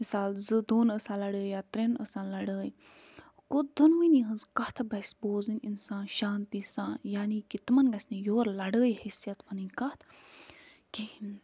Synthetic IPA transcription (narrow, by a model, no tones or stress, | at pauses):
misaːlzɨd̪oːnəsãːlɐɽəːjjaːt̪ɾenə̰sãːlɐɽəːj | kod̪onminĩɦɐnzkɐht̪ʰbɐsboːzininsãːnʃaːnt̪iːsãːnjaːnikit̪mɐnɡɐsʲnijoːɾlɐɽəːjhisijɐt̪ʋɐninʲkɐt̪ʰ | kiin